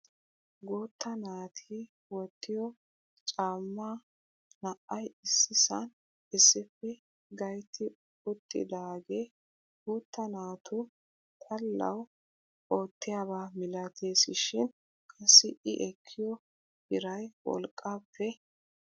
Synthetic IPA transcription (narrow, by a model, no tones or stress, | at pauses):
ɡuːt̪ːɐnaːt̪ʰiː | wɔt̪ːɪjɔ | t͡ʃʼaːmːaː | nɐʔɐjɪsːɪsɐn | ɪsːɪpːɛ | ɡɐjt̪ɪ | ʊt̪ʼːɪ̰d̪aːɡe | ɡuːt̪ːɐnaːt̪ʰʊ | t̪ʰɐlːɐ̰w | oːt̪ːɪjaːbaːmɪlɐt̪ʰeːsɪʃɪn | kʼɐsːɪʔɪʔɛkʰːɪjɔ | ɪɾɐjwɔ̰lkʼːapʰːɛ